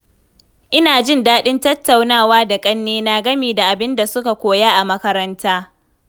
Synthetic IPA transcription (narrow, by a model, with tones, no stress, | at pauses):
ʔɪ˦naː˨d͡ʒɪ˦ndaː˦ɗɪ˦ntɐ˦tːa˨wnaː˦˨waː˦da˨kʼɐ˦nːeː˦na˨ɡɐ˦miː˨da˨ʔa˨bɪ˦nda˨sʊ˦ka˨kʷoː˨ja˦ʔa˨mɐ˦kɐ˦ɾɐ˦ntaː˦